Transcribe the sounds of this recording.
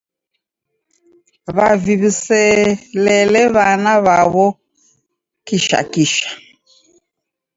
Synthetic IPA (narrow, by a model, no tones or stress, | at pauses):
βaviβisɛlɛlɛβanaβaβɔ | kiʃa̰kiʃḁ